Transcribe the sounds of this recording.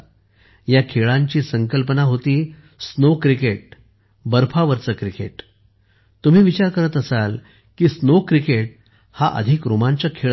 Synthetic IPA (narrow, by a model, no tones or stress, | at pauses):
jakʰeɭãɲt͡ɕiːsəŋkəlpənaɦot̪iː | snokɾikeʈ̚ | bəɾfʰaʋəɾt͡səkɾikḛʈ | t̪um̤iːʋit͡ɕaɾkəɾət̪əsal | kiːsnokɾikeʈ̚ | haʔə̰d̪ʱikɾomãɲt͡ɕakʰeɭ